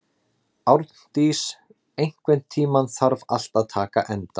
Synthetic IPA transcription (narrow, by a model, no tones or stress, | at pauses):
awɾt̪n̥t̪is | ejŋ̥kvɛnt̪ʰːiːmanθaɾval̥t̪aðt̪ʰaːka̰ʔɛnt̪a